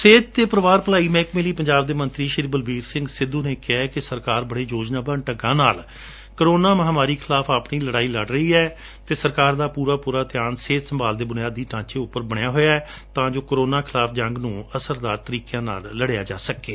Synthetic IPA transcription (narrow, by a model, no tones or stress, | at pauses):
seːt̪̚t̪ːeːpəɾəʋaːɾpəlaːiːmɛ̃ːkmeːliːpəɲd͡ʒaːb̚d̪eːmə̃nt̪ɾiːʃɪɾibəlbiːɾsɪ̃ŋɡsɪd̪ũːneːkɪɛːkɪsəɾkaːɾbəɽeːd͡ʒoːd͡ʒnaːbəɳʈəɡãːnaːl | kəɾoːnaːməɦaːmaːɾiːkʰɪlaːfʰapɳiːləɽaːiːləɖɾəiːɛː | t̪eːsəɾkaːɾd̪aːpuːɾaːpuːɾaːt̪ɪjaːnseːt̪səmbaːld̪eːbʊnɪjaːd̪ːiːʈãːt͡ʃeːʊpːəɾbəɽ̃jaːɦoːjaːɛ | t̪ãːd͡ʒoːkɾoːnaːkʰɪlaːpʰd͡ʒəŋɡnũːəsəɾd̪aːɾt̪əɾiːkjãːna̰ːlːəɽejaːd͡ʒa̰ːsəkeː